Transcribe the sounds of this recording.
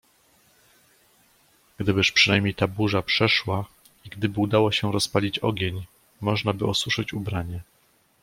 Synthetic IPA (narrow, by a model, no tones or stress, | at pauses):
ɡ̥d̪ɘbɘʂpʂɘnajmʲɲejt̪abuʐapʂɛʂwa | iɡd̪ɘbɘud̪awɔɕɛɾɔspalʲit͡ɕɔ̰ɡʲeɲ | mɔʐnabɘɔswuʂɘt͡ɕubɾaɲɛ